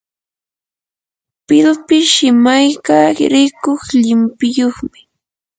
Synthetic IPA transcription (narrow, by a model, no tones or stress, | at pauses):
pɪlpɪʃɪmajkaɾɪkoχʎɪmpɪjoχmɪ